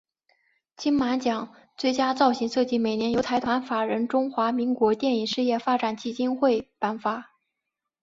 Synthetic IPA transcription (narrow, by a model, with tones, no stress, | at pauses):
t͡ɕʰi˥nma˧˥nt͡ɕjɑ˨˩˦ŋ | t͡swe˥˩ɪt͡ɕja˥t͡sɑ˥˩ʊɕi˧˥ŋʂɤ˥˧t͡ɕi˥˩me˨˩ɪnjɛ˧˥njo˧˥ʊt̪ʰa˧˥ɪt̪ʰwa˧˥nfa˨˩ɻə˧˥nʈ͡ʂʊ˥ŋxwa˧˥mi˧˥ŋkwɔ˧˥t̪jɛ˥˩ni˨˩ŋʂɻ̩˥˧jɛ˥˩fa˥ʈ͡ʂa˨˩nt͡ɕi˥˩t͡ɕi˥nxwe˥˩ɪpa˧˥nfa˥